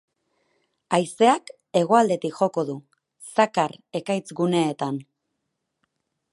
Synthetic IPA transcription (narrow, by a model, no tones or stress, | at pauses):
ajse̞ak | e̞ɣ̞o̞ald̪e̞t̪ikxo̞ko̞ð̞u | sakaɾe̞kajt͡sɡune̞ːt̪an